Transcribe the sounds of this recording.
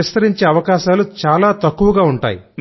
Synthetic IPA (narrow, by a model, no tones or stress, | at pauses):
ist̪ɐɾiɲt͡ʃeːɐʋɐkaːʃaːlut͡ʃaːlaːt̪ɐkːuʋɐɡaːuɳʈa̰ːji